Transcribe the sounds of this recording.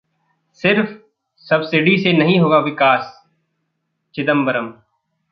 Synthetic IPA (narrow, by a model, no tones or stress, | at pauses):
sɪɾf | sɐbsɪɖisenɐɦĩɦoːɡaʋɪkaːs | t͡ʃɪd̪əmbəɾəm